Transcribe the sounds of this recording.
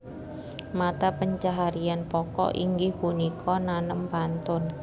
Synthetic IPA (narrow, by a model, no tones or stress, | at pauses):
mat̪apəɲt͡ʃaɦaɾianpɔkɔ̰ʔiŋɡɪhpunikʰɔnanəmpant̪ʊn